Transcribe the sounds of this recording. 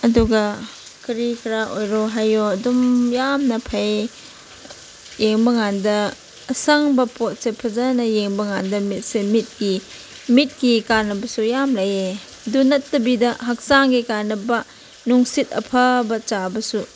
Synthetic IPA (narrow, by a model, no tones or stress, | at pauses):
ɐduɡɐ | kiɾikʰɾaʔojɾoɦajoɐdumjamnɐpʰaj | jeŋbɐŋandɐː | sɐŋbɐpot̚sepʰɐzanɐjeŋbɐŋandɐmit̚semit̚ki | mit̚kikanːɐbɐsujamlaje | dunɐtːɐbidɐɦɐk̚saŋɡikanɐbɐ | nuŋsit̚ɐ̰pʰɐbɐt͡ʃabɐsu